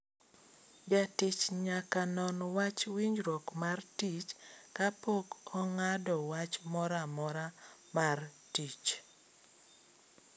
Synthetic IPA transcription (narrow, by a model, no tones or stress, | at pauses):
d͡ʒatit͡ʃɲakanɔnwat͡ʃwiɲɾokmartit͡ʃkapokɔŋadɔwat͡ʃmɔɾamɔɾamartit͡ʃ